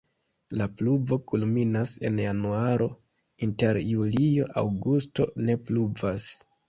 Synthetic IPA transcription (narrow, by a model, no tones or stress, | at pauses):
lapluvo̞kulminase̞̰njanuaɾʔo̞ | inte̞ɾjulijo̞ʔa̰wɡusto̞ne̞pluvas